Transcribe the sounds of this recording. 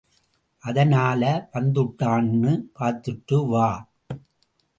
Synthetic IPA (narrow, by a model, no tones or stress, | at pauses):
ʔɐðɐnaːlɐʋɐnd̪ɯʈːaːnːɯpaːɾt̪ːɯʈːɯʋaː